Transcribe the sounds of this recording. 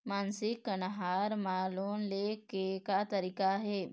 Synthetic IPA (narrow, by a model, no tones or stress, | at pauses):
mansɪkːənɦaːɾmaːloːnlekekat̪əɾiːkaɦe